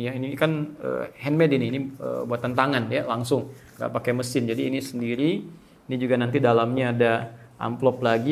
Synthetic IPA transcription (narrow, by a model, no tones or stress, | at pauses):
jainikanə̰ːhɛnmɛdinɪiniə̰buat̪ːənt̪aŋanjalaŋsʊŋ | ŋɡa̰ʔpakajməsɪnd͡ʒadiːnisəndiɾi | nid͡ʒuɡanant̪̬idalamɲaːda | ʔa̰mplɔplaɡi